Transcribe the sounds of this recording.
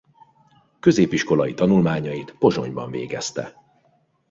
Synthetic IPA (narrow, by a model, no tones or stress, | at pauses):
kø̞zeːpiʃko̞lɒjit̪ɒnulmaːɲɒjit̪po̞ʒo̞̰ɲbɒ̰ɱvḛːɡɛst̪ɛ̰